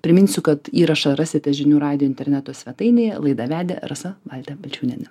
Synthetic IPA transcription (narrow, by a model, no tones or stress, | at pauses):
pʲɾʲɪmʲɪnʲsʲʊkɐt̪iːɾɐʃɐɾɑsʲɪt̪ʲɛʒʲɪnʲuːɾɑːd̪ʲɪjoːɪnʲt̪ʲɛɾʲnʲæt̪oːsʲʋʲɛt̪ɐɪnʲeːjɛlˠɐɪd̪ɐʋʲæːd̪ʲḛɾɐsɐʋɑlʲt̪ʲɛbʲɛlʲt͡ʃʲuːnʲɛnʲɛ